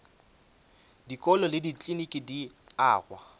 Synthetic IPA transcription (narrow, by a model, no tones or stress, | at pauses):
dikʼɔlɔlɪdit͡ɬʼinikʼidi | aːɣwa̰